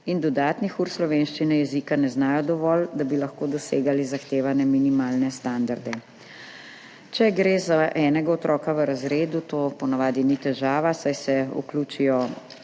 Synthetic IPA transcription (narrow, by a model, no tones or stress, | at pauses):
ind̪ɔd̪aːt̪nixuɾslɔʋeːnʃt͡ʃinɛjɛzikanɛznaːjɔd̪ɔʋɔːld̪abilaxkoːd̪ɔseːɡalizaxt̪eːʋanɛminimaːlnɛst̪and̪aɾd̪ɛ | t͡ʃɛɡɾeːzaʔɛːnɛɡaɔt̪ɾɔːkaʋəɾazɾeːd̪ut̪oːpɔnaʋaːd̪init̪ɛʒaːʋasajsɛṵkluːt͡ʃijɔ